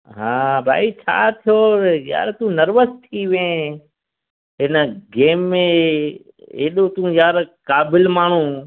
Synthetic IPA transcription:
ɦãːbʱa̰ːit͡ʃʰa̰ːt̪ʰijoja̰ːɾt̪ũːnəɾʋəst̪ʰiʋẽː | ɦɪnəɡeːmːẽ | ḛːɗot̪ũjaːɾkaːbɪlmaːɳ̤ũː

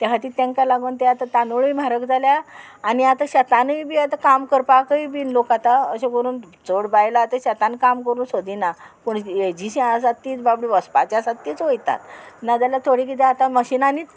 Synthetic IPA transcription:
t̪aɦat̪iːt̪ːẽŋkalaɡont̪eat̪at̪anoɭimaɾəkd͡zʱaljaː | niat̪aɕət̪anəjbiːat̪akamkəɾpakəiːbinlokat̪aəɕẽkəɾuːn | t͡soɽbajlaːt̪eɕət̪ankamkəɾuːnsod̪inapuɳed͡ʑisiasaiːt͡sbabɽiʋəspat͡ɕasat̪ːit͡sʋojt̪a̰t̪̚nad͡zalat̪ʰoɽikit̪ẽat̪aməɕinanit̪

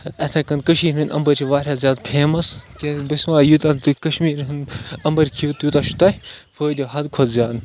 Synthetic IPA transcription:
ɐt̪ʰẽːkɐnkɐʃiːɾɨnʔɐ̰mbɐɾt͡ʃʰiʋaːɾʲjaːzʲjaːd̪pʰeːmɐst̪ẽbɐsʋaːjut̪at̪ɨkɐʃmiːɾɦɨnɐmbɐɾkʰijuːt̪juːt̪aʃʰu̥t̪afəːd̪ʲiɦɐd̪kʰodzʲjaːd̪

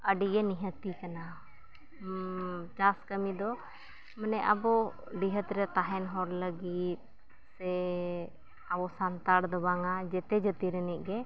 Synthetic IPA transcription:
əɖiɡɛniɦət̪ikana | t͡ʃaskəmid̪ɔ | mənɛʔa̰bɔ | ɖiɦət̪ɾɛt̪aɦɛnɦɔɾləɡit̪̚ | sɛ | abɔsant̪aɽd̪ɔbaŋad͡ʒɛt̪ɛd͡ʒət̪iɾəniʔ̚ɡɛ

